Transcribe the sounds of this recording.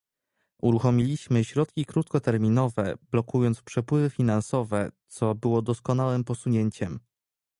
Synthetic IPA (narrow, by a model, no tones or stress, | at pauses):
uɾuxɔmʲilʲiɕmɘɕɾɔt̪kʲikɾut̪kɔt̪ɛɾmʲinɔvɛblɔkujɔnt̪spʂɛpwɘvɘfʲinansɔvɛt̪sɔbɘwɔd̪ɔskɔn̪awɘmpɔsuɲeɲt͡ɕɛm